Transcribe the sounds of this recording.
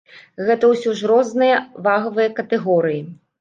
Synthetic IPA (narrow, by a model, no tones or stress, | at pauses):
ɣɛt̪ɐwsʲɔʐɾɔznɨjɐvaɣɐvɨjɐkɐt̪ɛɣɔɾɨji